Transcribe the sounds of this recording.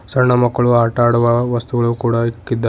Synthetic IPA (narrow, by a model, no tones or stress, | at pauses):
sɐɾɳɐmɐkːɐɭuaːʈaːɽuʋɐʋɐst̪uɡɐɭukuːɽɐikːid̪ːɐ